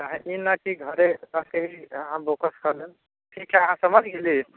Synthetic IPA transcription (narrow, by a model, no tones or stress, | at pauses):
ɦãʔinakiɡʱəɾetəkeɦiəɦãbokəskəɾlen | ʈʰikːeəɦãsəməd͡ʒʱɡeli